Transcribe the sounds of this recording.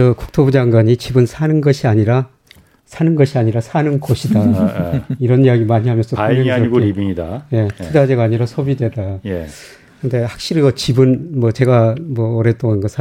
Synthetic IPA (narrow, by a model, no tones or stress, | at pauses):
ʌku̥k̚tʰobud͡ʑaŋɡwaɲit͡ɕibɯnsʰanɯnɡʌɕʰiaɲiɾa | sʰanɯnɡʌɕʰiaɲiɾasʰanɯnkoɕʰida | iɾʌnijaɡimaɲiɦamjʌnsʰʌpameaiɡoɾibiŋida̰je̞idad͡ʑeɡaːɲiɾasʰobidwe̞daje | kɯnde̞hak̚ɕ͈iɾiɡʌt͡ɕibɯnmwʌt͡ɕe̞ɡamwʌːɾe̞t͈oŋanɡʌsʰa